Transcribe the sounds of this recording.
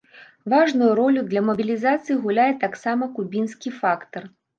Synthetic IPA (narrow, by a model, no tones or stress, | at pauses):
vaʐnujuɾɔlʲud̪lʲɐmɐbʲilʲizat̪sɨjiɣulʲajɛt̪aksamɐkubʲinskʲifakt̪ɐr